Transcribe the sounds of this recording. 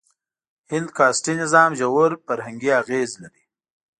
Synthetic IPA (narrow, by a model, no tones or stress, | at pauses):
hɪnd̪kɑːsʈinɪzɑːmʒawʊɾfaɾhaŋɡiaɣeːzlaɾi